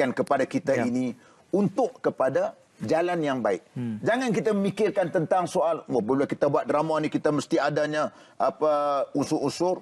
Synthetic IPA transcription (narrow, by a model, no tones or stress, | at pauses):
ankəpadakit̪aini | unt̪ʊʔkəpada | d͡ʒalanjaŋbaɪʔ̚d͡ʒaŋankit̪aməmikɪrkant̪ənt̪aŋsoalwəbələkit̪abuat̪̚dɾamanikit̪aməst̪iadaɲa | apəunsʊʔunsʊr